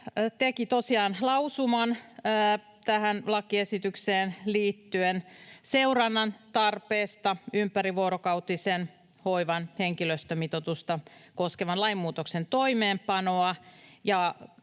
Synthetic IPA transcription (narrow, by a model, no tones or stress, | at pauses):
t̪ekit̪osiɑːnlɑusumɑnː | t̪æhænlɑkiesit̪ykseːnliːt̪ːyenseurɑnːɑnt̪ɑrpeːst̪ɑympæɾiʋoːɾokɑut̪isen | hoiʋɑnheŋkiløst̪ømit̪ot̪ust̪ɑkoskeʋɑnlɑimːuːt̪oksent̪oimeːmpɑnoɑjɑ